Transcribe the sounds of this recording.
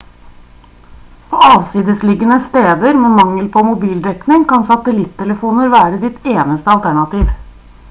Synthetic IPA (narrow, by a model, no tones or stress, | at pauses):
pʰoɑːʋsiːd̪əslɪɡənəst̪eːd̪əɾmɛmɑŋːəlpʰɔmʊbiːld̪ɛknɪŋkɑnsɑt̪əlɪt̪ʰːɛləfuːnəɾʋæːɾəd̪ɪt̪eːnəst̪əɑlt̪ʰæɳɑt̪iːʋ